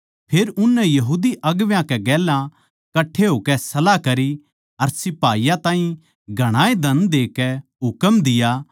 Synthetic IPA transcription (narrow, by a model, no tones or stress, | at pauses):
pʰeːɾʊnːɛjɐɦuːd̪iʔɐɡʋjãkɛɡɛːlã | kɐʈʰːeɦoːkɛsɐlakɐɾi | ɐɾsɪpaːijãt̪ãːɦĩ | ɡʱɐɽ̃aːed̪ʱɐnd̪eːkɛɦʊkəmd̪ɪjaː